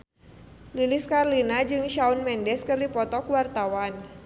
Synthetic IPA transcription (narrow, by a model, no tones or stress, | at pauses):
lilɪskarlinad͡ʒɨŋʃaunmɛndɛskɨrdipɔt̪ɔkuwart̪awan